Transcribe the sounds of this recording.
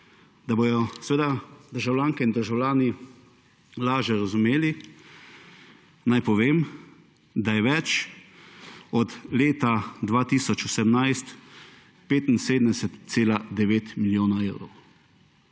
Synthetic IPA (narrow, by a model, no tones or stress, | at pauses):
d̪abojɔsɛʋeːd̪ad̪əɾʒawlʲjaːŋkɛind̪əɾʒawlʲjaːni | laːʒɛɾazumeːli | najpɔʋeːm | d̪ajɛʋɛt͡ʃ | ɔd̪leːt̪ad̪ʋaːt̪iːsɔt͡ʃɔsɛmnajst̪ | peːt̪in̩seːd̪əmd̪ɛsɛt̪seːlad̪ɛʋeːt̪miljoːnaewɾɔ̰ww